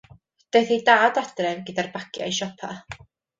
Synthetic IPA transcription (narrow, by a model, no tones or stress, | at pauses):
d̥ejθidaːdad̥rɛnɡədarbakʰja̰iʃɔpʰa̰